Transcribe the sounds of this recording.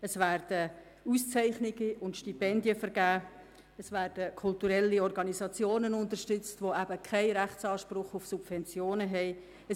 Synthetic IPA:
əsvæːɾd̥ə | ust͡sæɪχnɪɡəʊntʃtipɛndiəfəɾɡæː | əsvæːɾd̥əkʰʊltuɾɛlːiɔrɡɑnisɑt͡sjoːnənʊntərʃtʏt͡stvoæbəkʰɛɪɾæχt͡sɑːʃprʊχʊfsub̥vɛnt͡sjoːnəɦɛɪ | ə

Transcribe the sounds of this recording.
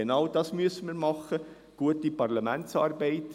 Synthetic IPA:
enɑwdɑːsmyəsːəməɾmɑχə | ɡ̥uətipɑrlɑmæntt͡sɑːrbɛɪt

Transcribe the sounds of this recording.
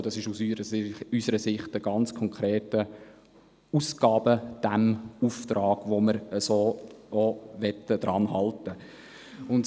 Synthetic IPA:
dɑsɪʃusəysəɾəsɪχtəɡ̥ɑnt͡skʰɔŋkʰɾeːtə | usɡ̥ɑːbəd̥æmuft̪ɾɑːɡ̥ʋoməɾəsoːoʋɛtədɾɑnɦɑltə | ʊnt

